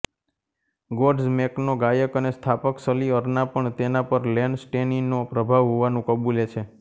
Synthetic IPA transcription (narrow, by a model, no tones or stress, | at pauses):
ɡoɖsmeknoɡajəkənest̪ʰapəksəliəɾnapəɳt̪enapəɾlɛɳsʈeninopɾəbʱaʋɦoʋanũkəbulet͡ʃʰe